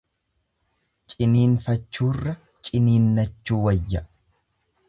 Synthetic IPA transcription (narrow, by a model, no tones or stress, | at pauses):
t͡ʃʼɪniːnfɐt͡ʃːuːrːɐ | t͡ʃʼɪniːnːɐt͡ʃːuːwɐjːɐ